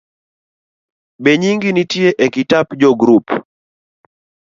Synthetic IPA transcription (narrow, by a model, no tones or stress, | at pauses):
beɲiŋɡinitjeʔekitapd͡ʒɔɡɾup